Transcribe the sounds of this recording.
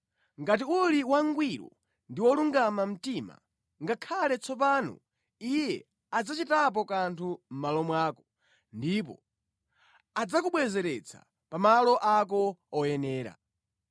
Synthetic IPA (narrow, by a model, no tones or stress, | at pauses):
ŋɡat̬iuliwaŋɡwiɾɔ̰ | ndiwɔluŋɡamam̩tima̰ | ŋɡakʰalɛt͡sʰɔpaːnɔ̰ | ijɛ | ad͡zat͡ʃitap̬ɔkantʰum̩malɔmwaːkɔ | ndip̬ɔ̰ | ad͡zakuɓwɛzɛɾɛt͡sʰa̰ | pamalɔʔak̬ɔɔjɛnɛːɾa̰